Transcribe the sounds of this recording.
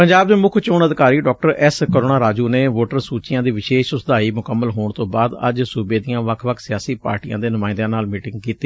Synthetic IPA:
pəɲd͡ʒaːb̚d̪eːmʊkʰt͡ʃʊːɳəd̪ɪkaːɾiːɖɔːk̚ʈəɾɛskəɾoːnaːɾaːd͡ʒuːneːʋoːʈəɾsuːt͡ʃɪjãːd̪iːʋɪʃeːʃʊsd̪aːiːmʊkəmːəlɦoːɳt̪õːbaːd̪ə̰d͡ʒsubeːd̪ijãːʋəkʰʋəkʰsɪjaːsiːpa̰ːɾʈijã̰ːd̪eːnʊmãːɪnd̪aːnaːlmiːʈɪ̃ŋɡkiːt̪iː

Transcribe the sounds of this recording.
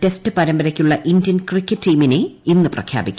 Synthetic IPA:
te̞stɨpɐɾɐmbɐɾɐkʲːuɭːɐʔindjɐnkrikʲːɐtːiːmine̞inːɨprɐ̰kʰja̰ːbikʲː

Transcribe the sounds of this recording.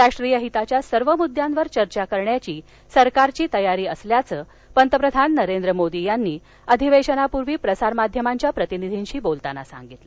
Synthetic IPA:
ɾaʂʈɾijəɦit̪at͡ɕjasəɾʋəmud̪ʱːjanʋəɾt͡ɕəɾt͡ɕakəɾɳjat͡ɕiː | səɾkaɾt͡ɕiːt̪əjaɾiːəsljat͡səː | pənt̪əpɾəd̪ʱanːəɾend̪ɾəmod̪ijanːiː | əd̪ʱiʋeɕənapuɾʋiːpɾəsaɾmad̪ʱjəmaɲt͡ɕjapɾət̪inid̪ʱinɕiːbolt̪ana̰sa̰ŋɡit̪le

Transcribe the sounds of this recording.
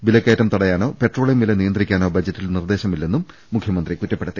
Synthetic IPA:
bilɐkːeːtːɐmt̪ɐɽɐjaːno̞ːpe̞ʈro̞ːɭjɐmilɐnijɐnd̪rikʲːaːno̞ːbɐd͡ʑɐtːilnird̪e̞ːɕɐmilːe̞nːumː | ukʰjɐmɐnd̪rikutːɐpːeɽɐt̪ːi

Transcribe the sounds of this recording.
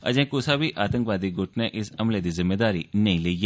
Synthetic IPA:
ɐ̰d͡ʒẽːkuːsabiʔaːt̪ə̃ŋkʋaːd̪iɡoːʈneʔɪsɐmled̪izɪmːed̪aːɾinɐĩleieː

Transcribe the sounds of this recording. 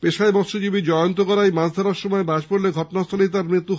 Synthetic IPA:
peʃajbɔt̪ʃod͡ʑibid͡ʑɔjont̪okɔɾajmasd̪ʱaɾaɾʃɔmɔebaʃpoɾleɡʱɔʈonast̪ʰolit̪̬aɾmɾit̪ːu

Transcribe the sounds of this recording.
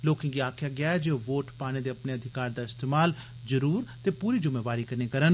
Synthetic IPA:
loːkɪ̃ŋɡiaːkʰjaːɡɪjaːɛd͡ʒeːʋoːʈpaːñeːd̪eːəpneːəd̪ʱɪkaːɾd̪aːɪst̪eːmaːl | zəɾuːɾt̪eːpuːɾiːd͡ʒʊmeːʋaːɾiːkəɾneːkəɾən

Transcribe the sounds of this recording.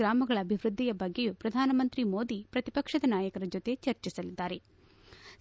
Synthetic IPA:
ɾaːmɐɡɐɭɐːbʱiʋɾud̪ʱːijɐbɐɡːejupɾɐd̪ʱaːnɐmɐnt̪ɾimo̞ːd̪ipɾɐt̪ipɐkʂɐd̪ɐnaːjɐkɐɾɐd͡ʒot̪e̞t͡ʃɐɾt͡ʃisɐlid̪ːaːɾe̞

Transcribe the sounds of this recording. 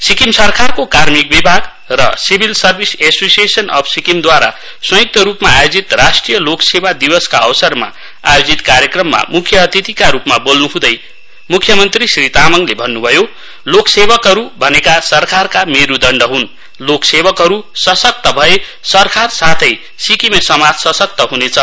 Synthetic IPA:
sikimsʌrkʰarkokarmik̚bibʱaɡ | rʌ̰sibʱilsʌrbʱisesosiesʌnʌ̰pʰsikimd̪waɾa̰ | sʌ̃jk̚t̪ʌɾupmaːjod͡zit̪rasʈrijʌloksebad̪ibʌskaʌwsʌrma̰ | a̰jod͡zit̪kaɾjekrʌmːa̰mukʰjʌːt̪it̪ikaɾupmabolnuɦũd̪ʌj | mukʰjʌmʌnt̪risrit̪amʌŋlebʱʌnːubʱʌjo | loksebʌkɦʌɾubʱʌnekasʌrkʰarkameɾud̪ʌɳɖʌɦun | loksebʌkɦʌɾusʌsʌk̚t̪ʌbʱʌe | sʌrkʰarsat̪ʰʌj | sikimesʌmad͡zsʌsʌk̚t̪ʌɦunet͡sʰʌ

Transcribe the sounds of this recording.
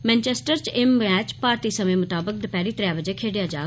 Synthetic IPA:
mɛ̃ːnt͡ʃɛːsʈəɾt͡ʃɪmbɛːt͡ʃpaːɾt̪iːsəmẽːmʊt̪aːbək̚d̪ɪpɛːɾiːt̪ɾjaːbəd͡ʒeːkʰeːɖɪjaːd͡ʒa̰ː

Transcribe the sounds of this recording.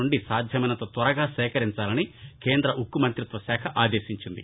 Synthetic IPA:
uɳɖisaːd̪ʱjɐmɐjnɐt̪o̞ːt̪ʋɐɾɐɡaːsɛːkɐɾiɲt͡ʃaːlɐnikeːnd̪ɾɐʔukːumɐnt̪ɾut̪ʋɐsɛːkʰɐʔaːd̪eːʃiɲt͡ʃind̪ḭ

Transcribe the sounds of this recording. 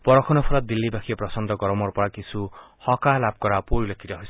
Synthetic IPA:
b̥ʌɾʌkʰɔnʌpʰulʌd̪ilːibakʰijaprʌsʌnd̪ʌɡʌɾʌmʌɾpʌɾakisu | hʌkalap̚kʌɾapoɾilʌkʰiɾʌɦojs

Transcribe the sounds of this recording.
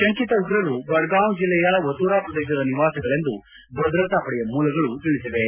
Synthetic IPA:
ʃɐŋkit̪ɐuɡɾɐɾubɐɽɡaːnd͡ʒilːɛjaʋɐt̪uːɾaːpɾɐd̪ɛːʃɐd̪ɐniʋaːsɐɡɐɭe̞nd̪u | bɐd̪ɾɐt̪aːpɐɽɛjɐmuːlɐɡɐɭut̪iɭisiʋe

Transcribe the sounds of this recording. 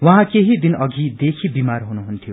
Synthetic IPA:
wʌɦãkeɦid̪inʌɡʱid̪ekʰibimarɦunuɦunt̪ʰijo

